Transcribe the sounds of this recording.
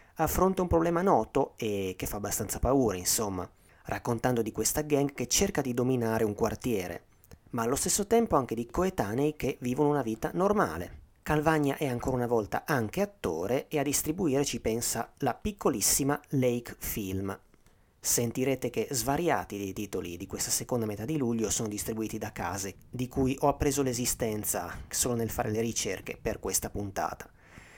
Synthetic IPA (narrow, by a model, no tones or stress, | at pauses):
afːɾont̪aumpɾoblɛːmanɔːt̪oekefːaːbːast̪ant̪sapauːɾainsomːa̰ | rʔakːont̪and̪od̪ikwest̪aɡaŋɡket͡ʃːerkad̪id̪ominaːɾeuŋkwart̪jɛːɾʔḛ | maːlːost̪esːot̪ɛmpoaŋked̪ikoet̪aːnejk̟eviːvonounaviːt̪a̰norma̰ːlḛkalvaɲːa̰ʔɛaŋkoːɾaunavɔlt̪a̰ʔaŋkeat̪ːo̰ːɾeead̪ːist̪ɾibuiːɾet͡ʃipɛnsalapikʰːolisːimalejkfilm | sent̪iɾeːt̪ek̟ezvaɾja̰ːt̪id̪ejt̪iːt̪olḭd̪ikwest̪asekond̪amet̪ad̪ːiluʎːosoːnod̪ist̪ɾibuiːt̪id̪akaːzed̪ikujʔɔapːɾeːzolezist̪ɛnt̪sa̰soːlonelfaːɾʔeleɾit͡ʃḛrkeperkwest̪apunt̪a̰ːt̪ḁ